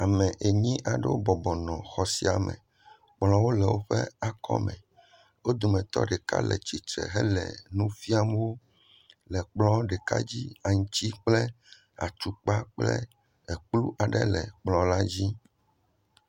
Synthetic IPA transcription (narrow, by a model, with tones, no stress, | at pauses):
a˨mɛ̃˨ʔe˨ɲĩ˦ʔa˨ɖɛ˦wo˦bɔ˨bɔ˨nɔ̃˨xɔ˨si˦a˨mɛ̰̃˨ | k͡plɔ̃˦wo˦lɛ˨wo˦ɸɛ˦a˨kɔ̰˦mɛ̰̃˨ | wo˦d̪o˨mɛ̃˨t̪ɔ̰˦ɖɛ˨ka̰˦lɛ̰˨t͡ɕi˨t̪ɾɛ̰˨ɦɛ˦lɛ̰˨nũ˦fi˦a˦m˦wo˦ | lɛ˨k͡plɔ̃˦ɖɛ˨ka̰˦d͡ʑi˦a˨ŋũ˨˦t͡ɕi˦k͡plɛ˦ | a̰˨t͡ʃu˨k͡pa˦k͡plɛ̰˦ | ɛ˨k͡plu˦ʔa˨ɖɛ˦lɛ˨k͡plɔ̃˨la˦d͡ʑi˦